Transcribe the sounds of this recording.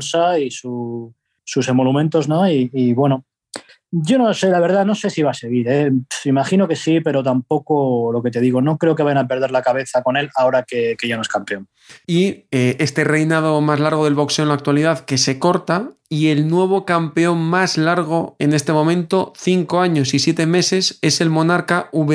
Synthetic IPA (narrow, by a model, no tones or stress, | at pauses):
saisu | susemolumẽnt̪o̞znoiːβwe̞no | ɟ͡ʝo̞nose̞laβ̞e̞ɾðano̞se̞siβase̞ɣiɾeimaχino̞ke̞sipe̞ɾo̞t̪ampo̞kolo̞ke̞t̪e̞ðiɣo̞no̞kɾe̞o̞keβajanape̞ɾð̞eɾlakaβe̞θako̞ne̞lao̞ɾakekeʝanoe̞skampe̞o̞n | iee̞st̪e̞re̞jnað̞o̞mazlaɾɣ̞o̞ð̞e̞lβo̞kse̞onlak̚t̪waliðaðke̞se̞ko̞ɾt̪aie̞lnwe̞β̞o̞kampe̞o̞mmazlaɾɣ̞o̞e̞ne̞st̪e̞momẽ̞nt̪o̞θiŋko̞aɲo̞sisje̞t̪e̞me̞se̞se̞se̞lmõ̞naɾkauβe